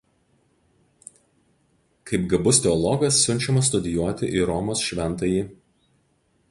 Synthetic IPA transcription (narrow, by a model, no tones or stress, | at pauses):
kɐɪpɡɐbʊst̪ʲɛɔlˠɔɡɐsːʲʊnʲt͡ʃʲɛmɐst̪ʊd̪ʲɪjuɔt̪ʲɪʔiːɾɔmoːsʃʲʋʲɛnˑt̪ɐjiː